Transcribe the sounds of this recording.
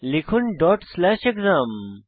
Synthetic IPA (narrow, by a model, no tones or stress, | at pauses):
likʰunɖɔːʈslɛːʃekzaːm